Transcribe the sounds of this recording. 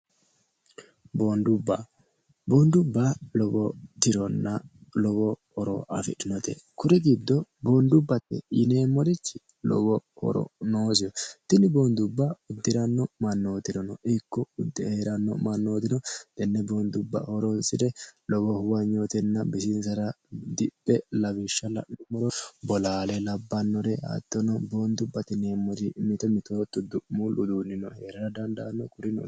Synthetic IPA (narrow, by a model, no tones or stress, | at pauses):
bond̪ʊbːa | boːnd̪ʊbːalɔbɔt̪ɪɾɔnːɐlɔɡɔhɔɾo̰ʔɐ̰fɪ̰ᶑɪnɔt̪ḛkʊɾɛɡɪd̪ːɔboːnd̪ʊbːɐt̪ːɛ̰ɪ̰neːmɔɾɪt͡ʃːɪ | lɔ̰ɡɔhɔ̰ɾɔ̰noːsɪjɔt̪ɪnɪboːnd̪ʊbːaʊd̪ːɪɾɐnːɔmɐnːoːt̪ɪɾɔnɔʔɪkːɔʊd̪ːɪheːɾɐnːɔmɐnːo̞ːt̪ɪnɔd̪̥ɛnːɛbo̞ːnd̪ʊbːɐ̰hɔɾɔnsɪd̪ɛlɔɡɔhʊwɐɲːoːt̪ɛnːɐbɪsɪnsɐɾɐ | d̪ɪpʼːɛlɐβɪʃːɐlɐʊmɔɾɔbɔlaːlɛlɐbːɐnːɔɾɛʔa̰ːt̪ːɔnɔbo̞ːnd̪ʊbːɐt̪ɪneːmːɔɾɪmɪt̪ɔmɪt̪oːt̪ːɔd̪ʊʔmulʔʊd̪uːnːɪnɔheːɾɐɾɐd̪ɐnd̪ɐnːɔkʊɾɪnɔ̰